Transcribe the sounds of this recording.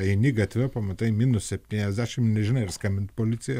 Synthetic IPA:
ɐɪnʲɪɡɐt̪ʲʋʲɛpɐmɐt̪ɐɪmʲiːnʊssʲɛpʲt̪ʲiːnʲɛzʲd̪ʲæʃʲɪmnʲɛʒʲɪnɐɪɪɾskɐmʲbʲɪnt̪̚polʲɪt̪sʲɪjɛ

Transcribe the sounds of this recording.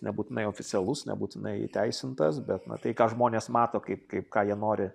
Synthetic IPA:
nʲɛbuːt̪ʲɪnɐɪoːfʲɪt͡s̪ʲɛlˠʊsnʲɛ̰buːt̪ʲɪnɐɪ̰t̪ʲæɪsʲɪnt̪ɐsbʲɛt̪nɐ̰t̪ɐɪkɑːʒmoːnʲeːsmɑːt̪oːkɐɪp̚kɐɪp̚kɑːjiɛnoːɾʲɪ

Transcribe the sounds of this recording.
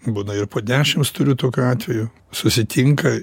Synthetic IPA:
buːnɐɪɾpoːd̪ʲæːʃʲɪmst̪ʊɾʲʊt̪oːkʲuɑːt̪ʲʋʲɛjʊ | sʊsʲɪt̪ʲɪŋkɐ

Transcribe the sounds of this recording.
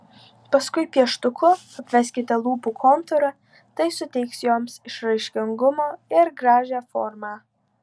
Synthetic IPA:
pɐskʊɪpʲiɛʃt̪ʊkʊ | ɐpʲʋʲɛsʲkʲɪt̪ʲɛlˠuːpuːkʰɔnt̪ɔɾɐ | t̪ɐɪsʊt̪ʲɛɪksjoːmsɪʃɾɐɪʃʲkʲɪŋɡʊmoːɪɾɡɾɑːʒʲæːfoːɾmɑː

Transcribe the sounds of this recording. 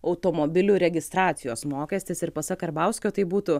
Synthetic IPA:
ɐʊt̪oːmobʲɪlʲuɾʲɛɡʲɪst̪ɾɑːt̪sʲɪjoːsmoːkʲɛsʲt̪ʲɪsɪɾpɐsɐkɐɾbɐˑʊsʲkʲoːt̪ɐɪbuːt̪ʊ

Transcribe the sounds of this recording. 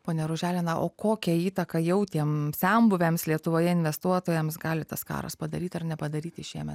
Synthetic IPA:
poːnʲɛɾʊʒʲæːlʲɪnɐʔo̰ːkoːkʲɛiːt̪ɐkɐjɛʊt̪ʲiɛmsʲɛmbʊʋʲɛmslʲiɛt̪ʊʋoːjɛɪnʲʋʲɛst̪uɔt̪oːjɛmsɡɑːlʲɪt̪ɐ̰skɑ̰ːɾɐ̰spɐd̪ɐɾʲiːt̪ʲɐrnʲɛpɐd̪ɐɾʲiːt̪ʲɪʃʲiɛmʲɛt̪

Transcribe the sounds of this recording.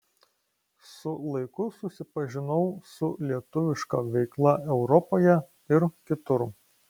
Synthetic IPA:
sʊlˠɐɪkʊsʊsʲɪpɐʒʲɪnɐʊsʊlʲiɛt̪ʊʋʲɪʃkɐʋʲɛɪklˠɐʔɛʊɾɔpoːjɛ | ɪɾkʲɪt̪ʊɾ

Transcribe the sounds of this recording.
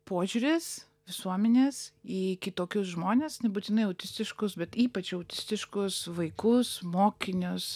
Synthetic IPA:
poːʒʲuːɾʲes | ʋʲɪsuɔmʲɛnʲeːsiːkʲɪt̪oːkʲoːsʒmoːnʲeːsnʲɛbuːt̪ʲɪnɐɪɐʊt̪ʲɪsʲt̪ʲɪʃkʊsbʲɛt̪iːpɐt͡ʃɐʊt̪ʲɪsʲt̪ʲɪʃkʊsʋɐɪkʊsmoːkʲɪnʲʊs

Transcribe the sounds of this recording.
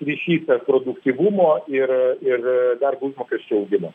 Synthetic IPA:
ɾʲiʃʲiːt̪ɐpɾoːd̪ʊkt̪ʲiʋumoːɪrɪrd̪ɐrbuːsmoːkʲɛsʲʃʲt͡ʃʲɛʊʊɡʲɪmɐ

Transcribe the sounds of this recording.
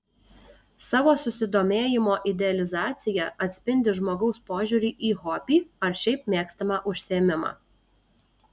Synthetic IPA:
sɑːʋoːsʊsʲɪd̪oːmʲeːjɪmoːʔɪd̪ʲɛɐlʲɪzɑːt̪sʲɪjɛʔɐt̪ʲsʲpʲɪnʲd̪ʲɪʒmoːɡɒʊspoːʒʲuːɾʲiːʔiːɣoːpʲiːɐɾʃʲɛɪpmʲeːkst̪ɐmɑʔʊʃʲsʲɪeːmʲɪmɑ̰ː

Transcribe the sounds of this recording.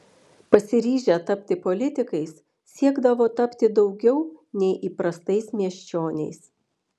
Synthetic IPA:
pɐsʲɪɾʲiːʒʲɛt̪ɐpʲt̪ʲɪpɔlʲɪt̪ʲɪkɐɪs | sʲiɛɡd̪ɐʋoːt̪ɐpʲt̪ʲɪd̪ɒʊɡʲɛʊnʲɛɪʔiːpɾɐst̪ɐɪsmʲiɛʃʲt͡ʃʲoːnʲɛ̰ɪs

